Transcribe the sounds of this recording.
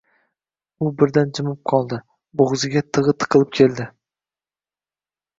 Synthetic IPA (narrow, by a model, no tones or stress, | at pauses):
ʊbɪɾd̪and͡ʒɪmɪp̚qʰɒlˠd̪ɪ | boʁzɪɡʲat̪ʰɨʁɨt̪ʰɨ̥qʰɨlˠɪp̚kʲʰe̞lˠd̪ɪ